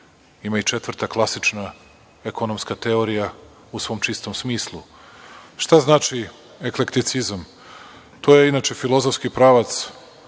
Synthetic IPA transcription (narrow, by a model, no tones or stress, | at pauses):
imait͡ʃet̪vr̩t̪aklˠasit͡ʃna | ekʰonomskat̪eoɾija | usʋo̞ːmt͡ʃist̪o̞msmiːslˠu | ʃt̪aznaːt͡ʃi | ekle̞kt̪it̪sizam | t̪ojeinat͡ʃe̞filˠo̞zofskipɾaːʋat̪s